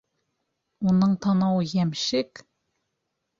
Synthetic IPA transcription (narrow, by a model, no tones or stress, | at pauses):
unɤɴt̪ʰɑnɑwɤjæmʃɘk